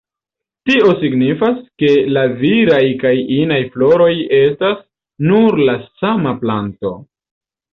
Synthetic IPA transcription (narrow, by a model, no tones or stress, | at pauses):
tio̞siɡnifaske̞laviɾajkajinajflo̞ɾo̞je̞stas | nuɾlasamaplanto̞̰